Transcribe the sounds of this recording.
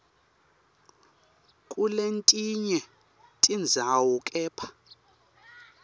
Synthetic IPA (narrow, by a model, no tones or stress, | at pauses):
kʼulentʼiɲɛ | tʼind͡zʱawɔkʼɛːpʰḁ